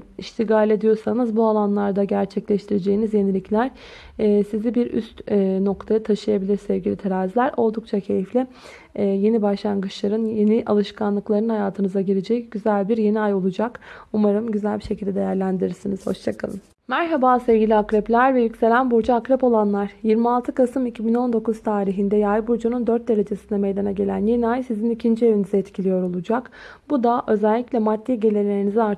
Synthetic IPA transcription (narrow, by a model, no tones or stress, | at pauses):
iʃt̪ʰiɡaːlʲed̪ijo̞ɾsanɯzbualˠanlˠaɾd̪aɟæɾt͡ʃʰɛclʲɛʃt̪ʰiɾed͡ʒe̞jinizje̞nilʲiclʲæɾ̥ː | sizibiɾy̰st̪no̞kt̪ʰajat̪ʰaʃɯjabilʲiɾsɛvɟilʲit̪ʰaɾaːizlʲæɾo̞lˠd̪ukt͡ʃʰacʰe̞jiflʲɛ | je̞nibaʃlˠanɡɯt͡ʃʰlˠaɾɯnje̞niʔalˠɯʃkʰanlˠɯklˠaɾɯnhajaːt̪ʰɯnɯzaɟiɾed͡ʒɛc̚ɟ̥yzælʲbiɾje̞niajo̞lˠud͡ʒakumaɾɯmɟyzælʲbiʃe̞cʰilʲd̪ɛd̪ejæɾlʲænd̪iɾiɾsiniz̥ho̞̰ʃt͡ʃʰakʰa̰lˠɯm | mæɾɦabaːse̞vɟilʲiakɾɛplʲæɾvɛjycʲse̞lʲænbuɾd͡ʒaakɾɛpo̞lˠanlˠaɾ̥jiɾmialˠt̪ʰɯkʰasɯmicʰibino̞nd̪o̞kuz̥t̪ʰaːɾiɦind̪ɛjajbuɾd͡ʒunund̪øɾt̪̚d̪e̞ɾe̞d͡ʒe̞sind̪ɛme̞jd̪anaɟe̞lʲænje̞niajsizinicʰind͡ʒie̞vinizɛɛt̪cʰilʲijo̞ɾo̞lˠud͡ʒakbud̪aʔø̞zælʲːiclʲɛmat̪ʰːijɟe̞lʲelʲeɾinizɛaɾ